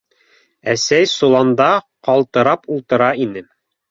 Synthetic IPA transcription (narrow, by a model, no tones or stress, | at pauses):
æsæjsulˠɑnd̪ɑ | qɑlˠt̪ɤ̆ɾɑpulˠt̪ɤ̆ɾɑinɘ